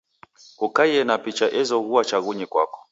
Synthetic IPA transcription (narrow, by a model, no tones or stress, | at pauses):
kukajɛnapit͡ʃaʔɛzɔɣuwat͡ʃaɣuɲɛkwa̰kɔ̥